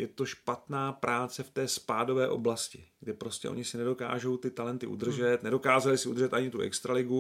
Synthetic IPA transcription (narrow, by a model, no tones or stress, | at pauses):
jɛt̪o̞ʃpat̪naːpɾaːt͡sɛft̪ɛːspaːdo̞vɛːʔo̞blascɪɡdɪpɾo̞scɛ̰ʔo̞̰ɲɪsɪnɛdo̞ka̰ːʒo̞wt̪ɪt̪alɛnt̪ɪʔṵd̪r̩ʒɛt̪nɛdo̞kaːzalɪsɪʔud̪rʒɛt̪aɲɪt̪uʔɛ̰kst̪ɾalɪɡu